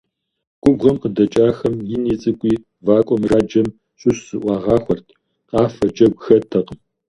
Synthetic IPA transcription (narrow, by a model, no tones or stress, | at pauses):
ɡʷʼʊbʁɐmqədɐt͡ʃʼaːxɐmjɪniːt͡sʼɨkʷʼiː | vaːkʷʼɔmraːd͡ʒɐm | ɕʼʊɕzɨʔʷɑːʁɑːxʷɔrtʰ | qʼɑːfɐd͡ʒʼɐɡʷxɐtʰɐqəm